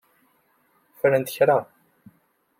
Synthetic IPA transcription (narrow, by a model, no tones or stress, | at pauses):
fɾənt̪əçɾa